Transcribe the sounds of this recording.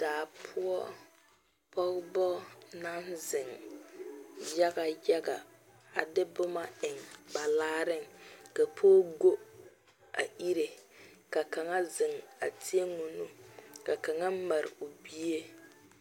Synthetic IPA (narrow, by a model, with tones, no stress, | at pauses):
d̥aː˨pʰʊ˦ɔ˦ | pɔ˦ɣbɔ˦na˦nzɪ˨ŋ | ja˦ɡa˨ja˦ɡa˨ | a˨dɪ˦bʊ˦ma˦ɪ˨ŋba˨laː˦ɾɪ˦˨ŋka˨pʰoː˦ɡo˦ | a̰˨ʔi˦ɾe˨ | ka˨ka˨ŋa˦zɪ˨ŋa̰˨tʰi˦e˦ŋʊ˨nʊ˦ka˨ka˨ŋa˦ma˨ɾɪ̰˨o˨bi˦e˦